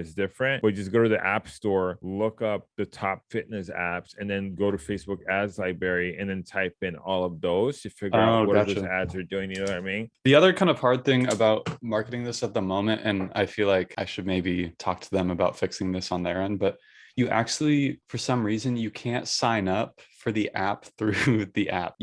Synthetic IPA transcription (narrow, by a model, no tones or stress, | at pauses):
ɨzdɪfɹɨ̃nt̚b̥ʌd͡ʒʌsɡ̥oʊɾɨðiʔæpstɔɹlʊkʌp̚ðɨtʰɑpfɪtⁿnɨsæ̰psɨ̃nðɨ̃nɡoʊɾɨfeɪsb̥ʊkɨzlaɪbɛɹiɨ̃nðɨ̃ntʰaɪpɨ̃nɔlˠʌvðoʊz̥tʰɨfɪɡoʊwʌɾæðzæpsə˞dʉɪ̃ŋjɨ̃noʊaɪmĩðiʌðə˞kʰãɪ̃ndʌv̥hɑɹd̪̚θɪ̃ŋɨbaʊt̚mɑɹkɨɾɪ̃ŋðɪsɨt̪̚ðəmõʊ̃mɨ̃ntɨ̃na̰ɪfilaɪkʰaɪʃɨd̚meɪbitʰɔk̚tʰəðɨ̃məbaʊtfɪksɪ̃ŋðɪsn̩ðə˞ɛ̃nbʌt̚ | ɨʔæ̰k̚t͡ʃʉl̩ˠifə˞sʌ̃mɹizɨ̃njɨkʰæ̃ntsãɪ̃nʌpfə˞ðiʔæp̚θɹʉðiʔæ̰p̚